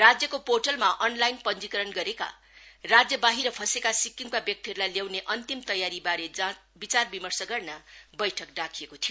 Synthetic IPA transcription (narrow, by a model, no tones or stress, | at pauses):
rad͡zjʌkoporʈʌlmaʔʌnlajnpʌnd͡zikʌɾʌnɡʌɾeka̰ | rad͡zjʌbaɦiɾʌpʰʌsekasikːiŋpabjʌk̚t̪iɦʌɾulajljaw̃neʔʌnt̪imt̪ʌjaɾibaɾed͡zã | bit͡sarbimʌrsʌɡʌrnabʌjʈʰʌk̚ɖakʰijekot̪ʰijo